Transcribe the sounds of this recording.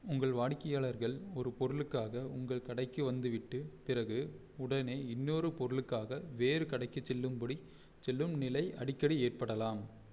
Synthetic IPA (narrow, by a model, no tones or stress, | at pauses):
ʊŋɡɐɭʋaːɽkːɐjaːɭɐɾɣɐɭɔɾɯpɔɾɯlɯkːaːɣɐʊŋɡɐɭkɐɽɐɪkːɯʋɐnd̪ɯʋɪʈːɯpɪɾɐɣɯ | ʊɽɐneːɪnːoːɾɯpɔɾɯɭɯkːaːɣɐʋeːɾɯkɐɽɐɪkːɯt͡ʃːɛlːɯmpɔɽi | t͡ʃɛlːɯmnɪlɐɪʔɐ̰ɽɪkːɐɽieːʈ̚pɐɽɐlaːm